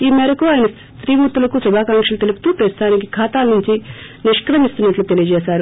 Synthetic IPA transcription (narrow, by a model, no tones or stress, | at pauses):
iːmɛɾɐkuaːjɐnɐs | t̪ɾiːmut̪ːulɐkusubʱaːkaːŋkʂɐlut̪elupu̥t̪uːpɾɐst̪ʰaːnikikʰaːt̪aːlɐnuɲt͡ʃi | niʃʂkɾɐmist̪unːɐʈlut̪e̞lijɐd͡ʒɛːsaːɾu